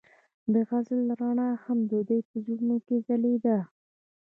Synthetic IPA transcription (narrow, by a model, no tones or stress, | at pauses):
d̪əɣazlɾɑɳɑhamd̪əd̪əjpəzuɾnokezaled̪a